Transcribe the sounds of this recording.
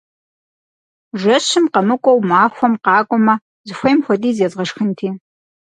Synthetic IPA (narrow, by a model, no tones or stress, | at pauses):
ʒɐɕɪmqɐmɨkʷʼɔwmaːxʷɔmqɑːkʷʼɔmɐ | zɨxʷɐjmxʷɔdiːzeːzʁɐʃxɨntʰiː